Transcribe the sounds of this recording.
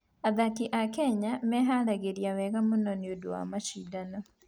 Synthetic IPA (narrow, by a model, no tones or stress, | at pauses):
aðakiʔakɛɲamɛɦaɾaɣeɾiawɛɣamonɔniodowa̰maʃidanɔ